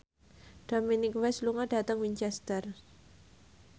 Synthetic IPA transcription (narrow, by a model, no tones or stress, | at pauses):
ɖ̥ominikwɛsluŋaɖ̥a̤t̪əŋwiɲt͡ʃɛst̪ər